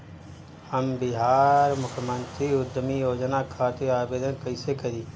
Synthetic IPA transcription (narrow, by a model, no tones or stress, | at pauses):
həmbɪɦaːɾmʊkʰjəmə̃nt̪ɾiʊd̪ʱəmijoːd͡ʒnakʰaːt̪eaːbeːd̪ənkəɪsekəɾiː